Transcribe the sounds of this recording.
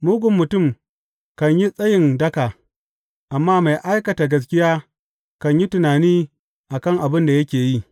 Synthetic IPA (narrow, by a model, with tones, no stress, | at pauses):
muː˦ɡʷʊ˨mːʊ˨tʊ˦˨m | kɐ˨ɲji˦sʼɐ˦jɪ˨ndɐ˦ka˨ | ʔa˨mːaː˦ma˨jʔa˦jkɐ˨taː˨ɡɐ˦s̬kʲɪ˦jaː˦ | kɐ˨ɲji˦tʊ˨naː˨niː˦ | ʔa˨kɐ˦ŋʔa˨bɪ˦nda˨jɐ˦kʲeː˨ji˦